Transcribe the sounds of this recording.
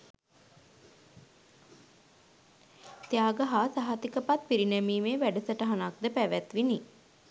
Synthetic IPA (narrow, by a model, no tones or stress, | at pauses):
t̪jaːɡəɦaːsaɦat̪ikəpat̪̚piɾinæmiːmeʋæɖəsəʈəɦanak̚d̪əpæʋæt̪ʋini